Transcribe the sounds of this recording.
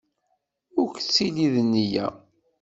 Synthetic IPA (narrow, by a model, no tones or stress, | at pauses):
ʊɾkt͡sːiliðənːijæ̰